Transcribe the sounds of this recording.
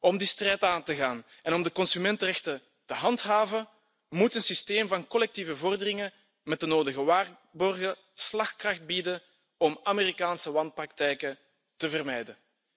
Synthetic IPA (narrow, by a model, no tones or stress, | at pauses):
ɔmdistrɛjtaːntəɣaːn | ɛnɔmdəkɔnsymɛntərɛxtə | təɦɑntɦaːvə | mutənsisteːmvɑnkɔlɛk̚tivəvɔrdərɪŋə | mɛt̚dənoːdəɣəʋaːr | bɔrɣə | slɑxkrɑxt̚bidən | ɔmameːɾikaːnsəʋɑnt̚prɑk̚tɛjkə | təvərmɛjdə